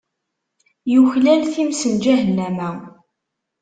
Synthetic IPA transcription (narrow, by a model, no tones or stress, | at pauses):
juçlælθimsənd͡ʒæhənːæmæ